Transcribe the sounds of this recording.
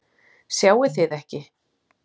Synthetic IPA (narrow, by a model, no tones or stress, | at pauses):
sjaːwɪθɪðɛhcɪ